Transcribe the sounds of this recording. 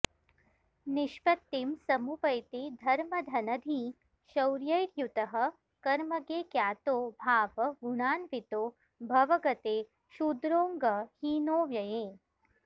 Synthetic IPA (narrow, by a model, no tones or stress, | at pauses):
niʃpɐt̪ːimsɐmupɐjt̪id̪ʱɐɾmɐd̪ʱɐnɐd̪ʱi | ʃɐwɾjɐjɾjut̪ɐɦɐ̆ | kɐɾmɐɡeːkjaːt̪oːbʱaːʋɐɡuɳaːnʋit̪oː | bʱɐʋɐɡɐt̪eː | ʃud̪ɾoːŋɡɐhiːnoːʋjɐjeː